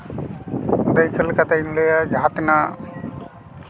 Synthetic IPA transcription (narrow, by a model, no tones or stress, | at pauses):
d̪ɐjkəlkɐt̪ainlejad͡ʒaːt̪na